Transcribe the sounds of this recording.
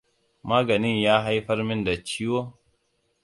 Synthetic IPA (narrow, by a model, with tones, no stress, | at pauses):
maː˦ɡa˨ni˦˨jaː˦ɦa˦jɸɐ˦ɾmi˦nda˨t͡ʃi˦wo˦